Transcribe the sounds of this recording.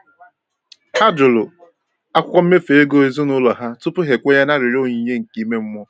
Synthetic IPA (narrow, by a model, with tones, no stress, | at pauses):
a˦d͡ʒʊ˨lʊ˨ | a˦kʷʊ˦kʷɔ˦m̩˦me˦fe˨e˦ɡo˦e˨˦zu˦nʊ˦lɔ˨ɦa˦tʊ˦pʊ˦ɦe˨kʷe˦ja˦na˦ɾɪ˨ɾo˦ɲi˨ɲe˦ŋ̩˨ki˨˦me˦m̩˦mʷɔ˦